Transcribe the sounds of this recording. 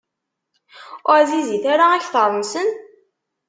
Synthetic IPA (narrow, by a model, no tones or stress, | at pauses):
ʊɾziziθaɾaæçθəɾˤmsən